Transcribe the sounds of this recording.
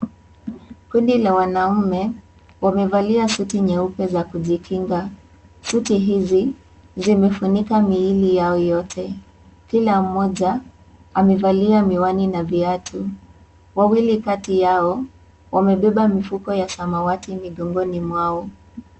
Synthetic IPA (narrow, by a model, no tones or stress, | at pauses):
kundilawanaumɛ | wamɛvaliasutiɲɛupɛzakuʄikʰiŋɡa | sutiɦizi | zimɛfunikamiilijaɔjɔtʰɛ | kilam̩mɔʄa | amɛvaliamiwaninaviatʰu | wawilikatijaɔ | wamɛɓɛɓamifukɔjasamawatimiɠɔŋɡɔnimwaɔ